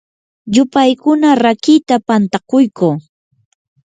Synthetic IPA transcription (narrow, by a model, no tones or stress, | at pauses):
jʊpajkʊnaɾakɪt̪apant̪akʊjkuː